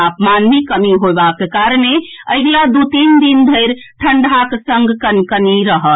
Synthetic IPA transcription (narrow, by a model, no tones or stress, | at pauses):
apmanmikəmiɦoebakekaɾneəɡlad̪ut̪ind̪ind̪ʱəɪɾʈʰəɳɖɦaksə̃ŋɡkənkəniɾəɦəl